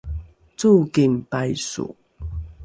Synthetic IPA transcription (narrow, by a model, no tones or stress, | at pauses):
t͡sukimpajsṵ